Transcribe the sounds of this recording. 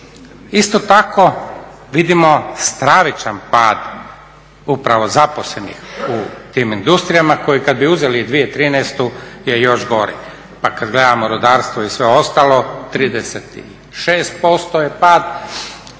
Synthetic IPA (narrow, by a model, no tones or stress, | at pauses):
ist̪ot̪akʰo̞ | ʋid̪imost̪ɾaʋit͡ʃanpaːd̪ | upɾaʋo̞zaposlenḭxut̪iːmind̪ust̪ɾijamako̞jikad̪̚biuzelid̪ʋijet̪ɾiːnɛst̪ujejo̞ʃɡo̞ɾḭ | pakad̪ɡled̪amoɾod̪aːɾst̪ʋoisʋeo̞st̪alo̞t̪ɾiːd̪eset̪ḭ | ʃeːst̪̚po̞st̪ojepaːd̪